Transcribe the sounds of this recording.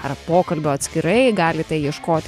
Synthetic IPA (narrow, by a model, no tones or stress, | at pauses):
ɐrpoːkɐlʲbʲoːɐt̪ʲsʲkʲɪɾɐɪɡɑːlʲɪt̪ɐɪjiɛʃkoːt̪ʲ